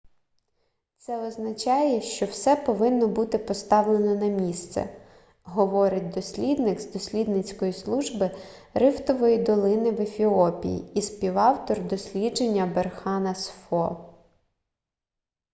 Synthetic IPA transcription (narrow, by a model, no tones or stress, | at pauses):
t̪sɛɔznɐt͡ʃɑjɛʃt͡ʃɔwsɛpɔʋɪnːɔbut̪ɪpɔst̪ɑwlˠe̞nɔnɐmʲist̪sɛ̰ | ɦɔʋɔɾɪt̚ʲd̪ɔsʲlʲid̪nɪɡzd̪ɔsʲlʲid̪nɪt͡sʲkɔjislˠuʒbɪ | ɾɪft̪ɔʋɔjid̪ɔlˠɪnɪʋefʲiɔpʲḭjḭispʲiwɑwt̪ɔrd̪ɔsʲlʲid͡ʒenʲːɐberxɑnɐsfɔ